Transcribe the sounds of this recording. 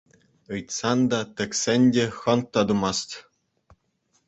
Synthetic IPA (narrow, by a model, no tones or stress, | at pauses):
ɯjt̪sɑnd̪ɑt̪ʲɘ̆kʲsʲɘ̆nʲdʲĕxɤ̆nt̪ːɑd̪umɑst̪ʲ